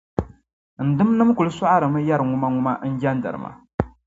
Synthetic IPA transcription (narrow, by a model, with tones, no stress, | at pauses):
n̩˨dɨ˦mnɨ˦mku˨lɨ˦sa˦ʔa˦ɾɨ˨mɨ˦ja˦ɾɨ˨ŋʊ˦ma˦ŋʊ˦ma˦n̩˦d͡ʒɛ˦n˦dɨ̰˨ɾɨ̰˨ma̰˨